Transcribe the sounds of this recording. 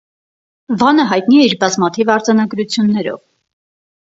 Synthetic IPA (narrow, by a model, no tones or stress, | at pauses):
vɑnəɦɑjt̪niɛiɾbɑzmɑt̪ʰivɑɾd͡zɑnɑɡɾut͡sʰjunːɛɾɔ̰v